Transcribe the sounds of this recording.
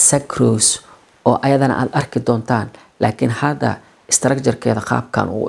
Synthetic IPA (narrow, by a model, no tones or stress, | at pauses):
sɐkʰruːs | ɔːʔɐjɐðɐnɐ̰ʔa̰ːd̪ɐrkʰɪd̪ɔːnt̪ʰaːn | laːkʰɪnhɐd̪ɐ̰ | ɪst̪ɾɐkt͡ʃɐrkʰɛːðɐqɑ̰ːb̚kʰɐ̰nʔʊ̰ʊ̰